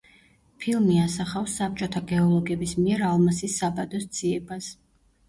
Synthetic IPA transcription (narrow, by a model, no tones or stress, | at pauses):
pʰilˠmiasaχafsːap̚t͡ʃʼɔt̪ʰaɡɛɔlˠɔɡɛbismiɛɾalˠmasisːabad̪ɔsd̪z̥iɛbas